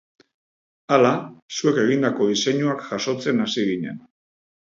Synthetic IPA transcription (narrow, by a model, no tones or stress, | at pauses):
alasue̞ke̞ɣ̞ind̪ako̞ðise̞ɲuakʝaso̞t͡se̞nasiɣiɲe̞n